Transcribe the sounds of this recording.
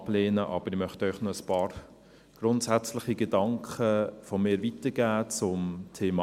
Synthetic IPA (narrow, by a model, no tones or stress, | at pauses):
b̥leːnəʔɑ̰ːb̥əɾɪmœχtœʏχnɔəspɑːɾ | ɡ̥ɾʊntsæt͡slɪχiɡɛdɑŋkχəfomɪːɾvitəɡ̥æːt͡sʊmtʰeːmɑ